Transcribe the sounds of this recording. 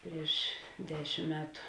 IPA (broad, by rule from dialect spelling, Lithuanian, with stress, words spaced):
ˈpʲrʲiɛʃ ˈdʲæːʃʲɪm ˈmʲæːtʊ